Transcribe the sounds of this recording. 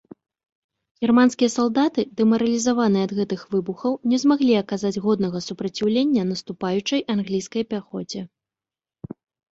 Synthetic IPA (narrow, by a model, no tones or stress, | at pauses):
ɣʲirmanskʲijɐsalˠd̪at̪ɨd̪ɛmɐɾɐlʲizavanɨjɛɐd̪ɣɛt̪ɨxvɨbuxɐwnʲɛzmaɣlʲiɐkazad͡zʲɣɔd̪nɐɣɐsupɾɐt͡sʲiwlʲenʲːɐnɐst̪upajut͡ʂɐjʔanɣlʲijskɐjpʲaxɔd͡zʲɛ